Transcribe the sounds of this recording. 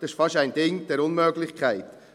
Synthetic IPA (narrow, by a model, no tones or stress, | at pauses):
dɪʃfɑʃæɪndɪŋd̥ɛɾʊnmøɡlɪχkʰæɪt